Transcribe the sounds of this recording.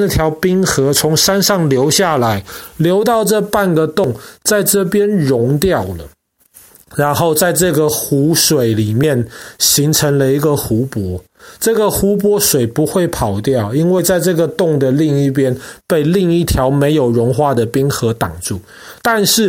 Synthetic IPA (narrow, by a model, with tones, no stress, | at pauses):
ə˥˩t̪ʰjɑ˧˥ʊpi˥ŋxɤ˧˥t͡sʰʊ˧˥ŋʂa˥nʂɑ˥˩ŋljo˧˥ʊɕja˥˩la˧˥ɪljo˧˥ʊt̪̬ɑ˥˧ʊʈ͡ʂɤ˥˧pa˥˩nɡə˨˩t̪ʊ˥˨ŋt͡sa˥˧ɪʈ͡ʂɤ˥˩pjɛ˥nɻʊ˧˥ŋt̪jɑ˥˩ʊlə̰˩ | ɻa˧˥nxo˥˧ʊt͡sa˥˧ɪʈ͡ʂɤ˥˩ɡə˨xu˧˥ʂwe˨˩ɪli˨˩mjɛ˥˩nɕi˧˥ŋʈ͡ʂʰə˧˥ŋlə˧i˧˥ɡə˨xu˧˥pwɔ˧˦˥ | ʈ͡ʂɤ˥˩ɡə˨xu˧˥p̬wɔ˧˥ʂwe˨˩ɪpu˧˦xwe˥˩ɪpʰɑ˨˩ʊt̪jɑ˥˩ʊi˥nwe˥˧ɪt͡sa˥˧ɪʈ͡ʂɤ˥˩ɡə˩t̪ʊ˥˩ŋd̪ə˩li˥˧ŋi˥˩p̬jɛ˥npe˥˧ɪli˥˧ŋi˥˩t̪ʰjɑ˧˥ʊme˧˥ɪjo˨˩ʊɻʊ˧˥ŋxwa˥˩d̪ə˩pi˥ŋxɤ˧˥t̪ɑ˨˩ŋʈ͡ʂu˥˩ | t̪a˥˧nʂɻ̩˥˩